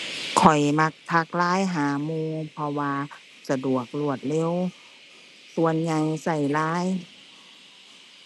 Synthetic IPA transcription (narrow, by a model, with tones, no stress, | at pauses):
kʰɔ˨˩jma˧˥k̚t̪ʰa˧k̚laː˧˥˨jɦaː˨˩˦muː˧pʰɔ˧waː˧ | sa˧du˨˩ək̚lu˧˩ət̪̚le˧˥˨w | su˧ənɲa˧jsa˧˩jlaː˧˥˨j